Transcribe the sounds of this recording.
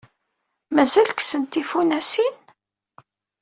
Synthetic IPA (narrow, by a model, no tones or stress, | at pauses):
mæzælksənt̪ifunæsin